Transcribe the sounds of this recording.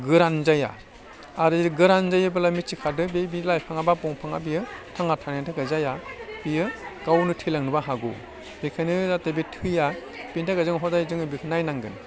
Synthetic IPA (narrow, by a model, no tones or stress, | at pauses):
ɡɯɾanzaja̰ | aɾɯɾɡɯɾanzajɯbalamit͡ʃikʰadɯbebilajpʰaŋabapɔŋpʰaŋa̰bijɯtʰaŋatʰanentʰakazajab̥ijɯɡawnɯtʰilaŋnɯbaɦaɡṵ | bekʰanɯatebetʰɯja | pintʰakazɯŋɦɔdajzɯŋɯbikʰɯnajnaŋɡɯ̰n